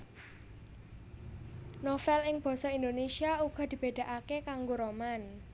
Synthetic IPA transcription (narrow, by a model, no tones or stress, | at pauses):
nofɛlɪŋb̥ɔ̤sɔind̪onesiauɡ̥ɔ̤d̪̥i̤b̥e̤d̪̥a̤ʔakekaŋɡoɾoman